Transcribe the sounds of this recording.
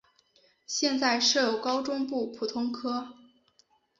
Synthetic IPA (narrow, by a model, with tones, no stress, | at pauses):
ɕjɛ˥˧nt͡sa˥˧ɪʂɤ˥˩jo˨˩ʊkɑ˥ʊʈ͡ʂʊ˥ŋpu˥˩pʰu˨˩t̪ʰʊ˥ŋkʰɤ˥